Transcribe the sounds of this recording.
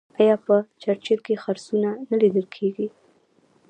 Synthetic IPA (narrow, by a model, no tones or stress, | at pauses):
ajɑpət͡ʃaɾt͡ʃelkexaɾsunanalid̪əlkʰeɡi